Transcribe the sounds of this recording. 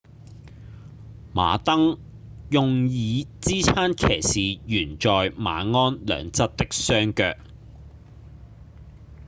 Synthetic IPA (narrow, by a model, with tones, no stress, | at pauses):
ma̰ː˨t̪ɐ˥ŋ | jʊ˨ŋjiː˨˧t͡siː˥t͡sʰaː˥nkʰeː˨˩jsiː˨jyː˨˩nt͡ʃɔː˨jma̰ː˨˥ŋɔː˥nlœ̰ː˨˧ŋt͡sɐ˥t̚t̪ɪ˥k̚sœː˥ŋkœ̰ː˧k̚